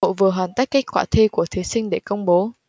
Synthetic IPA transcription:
o̰˧˨vɨ˨˩əɦwaː˨˩nt̪ə˦˥ka˦˥k̚kwaː˧˩t̪ʰi˧ku˧˩ət̪ʰi˨˦sï˧ŋɗe˧˩kə˧wŋ͡mɓo˨˦

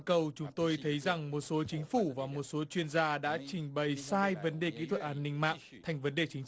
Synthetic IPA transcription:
kə˨˩wt͡ɕʊ˨˦ŋ͡mt̪o˧jt̪ʰə˨˦jza˨˩ŋmo˨˩t̚so˨˦t͡ɕï˨˦ŋ̟fu˧˩vaː˨˩mo˨˩t̚so˨˦t͡ɕwi˧ənzaː˧ɗa̰ː˧˥t͡ɕï˨˩ŋ̟ɓə˨˩jsaː˧jvə˨˦nɗe˨˩kḭ˧˥t̪ʰwə˨˩t̚ʔaː˧˦nːï˧ŋ̟ma̰ː˧˨ʔt̪ʰa˨˩jŋ̟və˨˦nɗe˨˩t͡ɕï˨˦ŋ̟

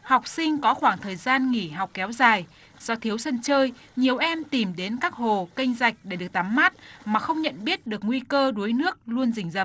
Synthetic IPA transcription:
ha˨˩wk͡p̚sï˧ŋ̟kɔ˨˦xwaː˧˩ŋt̪ʰəː˨˩jzaː˧nŋi˧˩ɦa˨˩wk͡p̚kɛ˨˦wzaː˨˩j | z̥ɔ˧t̪ʰi˨˦əwsə˧nt͡ɕəː˧j | ɲi˨˩əwʔɛ˧mt̪i˨˩mɗe˨˦nkaː˦˥k̚ho˨˩ki˧jŋ̟za˨˩jk̟̚ɗe˧˩ɗɨ˨˩ək̚t̪a˨˦mːa˦˥t̚maː˨˩xə˧wŋ͡mɲə̰˧˨nɓi˦˥ət̚ɗɨ˨˩ək̚ŋwi˧kəː˧ɗu˨˦jnɨ˦˥ək̚lu˧ənzï˨˧˩ŋ̟zə̰˧˩

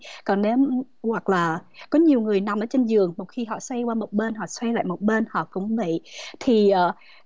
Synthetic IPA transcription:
kɔ˨˩nne˨˦m | hwa˨˩k̚laː˨˩kɔ˨˦ɲi˨˩əwŋɨ˨˩əjna˨˩mʔəː˧˦t͡ɕe˧nzɨ˨˩əŋmo˨˩t̚xi˧ɦɔ̰˧˨swa˧jkwaː˧mo˨˩t̚ɓe˧nɦɔ̰˧˨swa˧jla̰ː˧˨jmo˨˩t̚ɓe˧nhɔ̰˧˨kʊ̰˧˥wŋ͡mvḭ˧˨t̪ʰi˨˩ʔəː˨˩

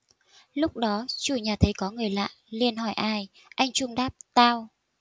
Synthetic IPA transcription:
lʊ˦˥k͡p̚ɗɔ˨˦t͡ɕu˧˩ɲaː˨˩t̪ʰə˨˦jkɔ˨˦ŋɨ˨˩əjla̰ː˧˨jli˧ənɦɔ˧˩jʔaː˧j | ʔa˧jŋ̟t͡ɕʊ˧ŋ͡mɗaː˦˥p̚t̪aː˧w

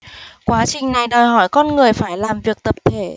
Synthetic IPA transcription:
kwaː˨˦t͡ɕï˨˩ŋna˨˩jɗəː˨˩jɦɔ˧˩jkɔ˧nŋɨ˨˩əjfaː˧˩jlaː˨˩mvi˨˩ək̚t̪ə˨˩p̚t̪ʰe˧˩

